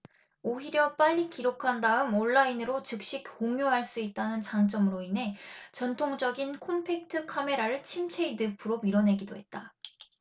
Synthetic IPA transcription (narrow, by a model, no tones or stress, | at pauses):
oɦiɾjʌp͈aʎːikiɾokʰandaɯmoɭːainɯɾot͡ɕɯk̚ɕ͈ikhoŋjoɦaɭs͈uit̚t͈anɯnt͡ɕaŋt͡ɕ͈ʌmɯɾoinɦe̞t͡ɕʌntʰoŋd͡ʑʌɡinkʰompʰe̞k̚tʰɯkʰame̞ɾaɾɯɭt͡ɕʰimt͡ɕʰe̞idɯpʰɯɾomiɾʌnɦe̞ɡidoɦe̞t̚t͈a